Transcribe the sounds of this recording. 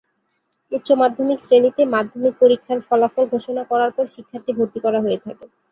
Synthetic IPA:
ut̪ːɕomad̪ʱomiksɾenit̪emad̪ʱːomik̚poɾikʰːaɾfɔlafolɡʱoʃonakɔɾaɾpɔɾʃikʰːaɾt̪ibʱoɾt̪ikɔɾaɦoet̪ʰake

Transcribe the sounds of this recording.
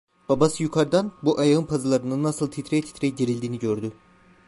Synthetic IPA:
b̥abasɯjukʰaɾd̪anbuʔajaɯnpʰazɯlˠaɾɯnɯnːasɯlˠt̪ʰit̪ʰɾet̪ʰit̪ʰɾɛjɟiɾilʲd̪iːniɟøɾd̪y

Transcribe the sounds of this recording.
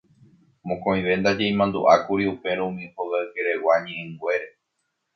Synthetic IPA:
mõkõĩʋe̞nd̪ad͡ʒe̞j̃mãnd̪ṵʔakuɾiupe̞ɾũũmĩhoɣaɨke̞ɾewaɲẽʔẽŋɡʷe̞ɾe

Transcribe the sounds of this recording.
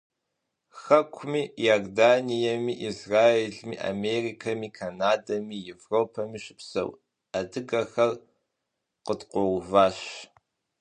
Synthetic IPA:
xɐkʷʰmiːjardaːnijɐmiʔizraːeːɮmiːʔa̰merikʰɐmiːkʰanaːdɐmiːjevroːpʰɐmiːɕɪ̥psɐ̰w | adɨɡɐxɐr | qədqʷɔwvaːɕ

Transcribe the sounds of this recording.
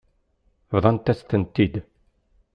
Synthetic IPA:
vðˤɑnt̪æst̪ənt̪ːid̪

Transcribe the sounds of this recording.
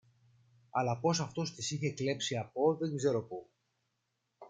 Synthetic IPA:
ɐlɐpo̞s̬ɐft̪o̞st̪isiçe̞kle̞psiɐpo̞ðe̞ŋɡze̞ɾopu

